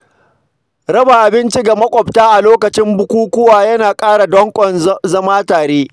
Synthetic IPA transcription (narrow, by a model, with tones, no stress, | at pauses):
ɾɐ˦ba˨ʔa˨bɪ˦nt͡ʃi˦ɡa˨mɐ˦kʷʼɔ˨btaː˦ʔa˨loː˦kɐ˨t͡ʃɪ˦mbʊ˦kʷuː˦kʷʊ˦waː˨jɐ˦naː˨kʼaː˦ɽa˨dɔ˦ŋkʷʼɔ˨nzɐ˦maː˦taː˨ɽeː˦